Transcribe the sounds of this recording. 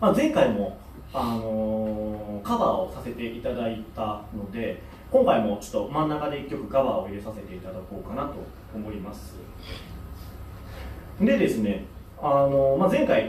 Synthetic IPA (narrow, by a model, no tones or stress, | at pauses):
mazẽ̞ŋkaimo̞ | ano̞ | kaβaːosase̞t̪e̞ʔit̪ad̪ait̪ano̞d̪e̞ | kõ̞ŋkaimo̞t͡ɕo̥t̪ːo̞mãnːakad̪e̞ikʲːo̞kɯ̟kaβaːo̞iɾɯsase̞t̪e̞it̪ad̪ako̞ːkanat̪o̞̰ | omo̞imasɨ | d̪e̞d̪e̞sɨne̞ | ano̞mazẽ̞ŋkai